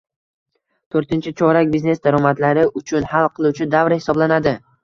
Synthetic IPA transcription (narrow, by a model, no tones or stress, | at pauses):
t̪ʰoɾt̪ɪnt͡ʃʰɪt͡ʃʰɒɾakʲbizne̞sd̪aɾɒmat̪laɾɪʊt͡ʃʰʊnhalˠqʰɨlˠut͡ʃʰɪd̪avɾhɪ̥sɒblanad̪ɪ